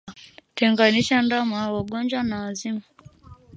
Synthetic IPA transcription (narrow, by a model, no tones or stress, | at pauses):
tɛŋɡaniʃandamawaɠɔnd͡ʒwanaazima